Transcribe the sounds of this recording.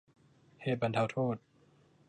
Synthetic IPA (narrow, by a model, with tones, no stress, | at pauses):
heː˨˩t̪̚ba˧nt̪ʰa˧˩wt̪ʰoː˥˩t̪̚